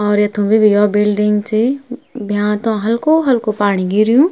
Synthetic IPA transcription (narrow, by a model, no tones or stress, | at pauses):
ɔːɾjɐt̪ʰõbʱibijɔːbɪlɖɪ̃ŋɡt͡ʃebʱjãːt̪õɦɐlkoɦɐlkopaːɽ̃iɡɪɾijũː